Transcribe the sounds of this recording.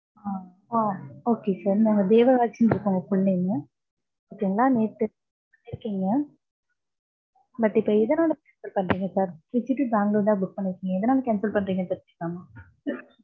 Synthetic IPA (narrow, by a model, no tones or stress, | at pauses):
aː | aːoːkesaːɾnãːŋɡɐd̪eːʋɐʋaːt͡ʃːɐnɪɾɯkːʊŋɡɐkʊɭːɐjnːɐ | ɐt̪ːiŋɡɐlːãːneːʈːɯ | kpɐnːɪɾɯkːiːŋɡɐ | bɐʈːɪpːoːɪðɐnaːlɐkɐnsɐlpɐɳːɾiːŋɡɐsaːɾʋɪt͡ʃːɪʈːɯdaːŋɡɐlɐʋɐnd̪aːbʊk̚pɐɳːɪɾɯkːiːŋɡɐɪðɐnaːlɐkɛnsɐlpɐɳːɾiːŋɡɐsaːɾpkːamaː